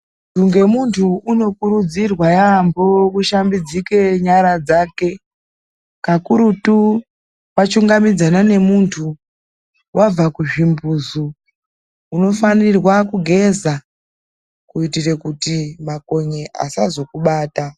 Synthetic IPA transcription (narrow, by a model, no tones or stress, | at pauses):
tuŋɡe̞muntʰuuno̞kuɾud͡zirwajambokuʃambid͡zike̞ɲaɾad͡zaːke̞ | kakuɾutu | wat͡ʃuŋɡamid͡zanane̞muntʰu | wʔab͡vakuʐimbuːzuː | no̞fanirwakuɡʱe̞za | kuitire̞kutimako̞ɲeʔa̰sazo̞kuɓaːta